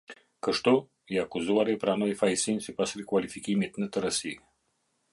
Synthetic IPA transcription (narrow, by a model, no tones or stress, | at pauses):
kəʃt̪ɔ | iakuzuaɾipɾanɔifajsinʲsipasɾikwalʲifikʲimit̪nət̪əɾasi